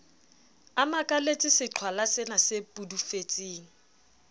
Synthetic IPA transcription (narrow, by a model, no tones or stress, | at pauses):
amakʼalet͡sʼɪsɪǁʰwalasɪnasepʼudufet͡sʼiːŋ̩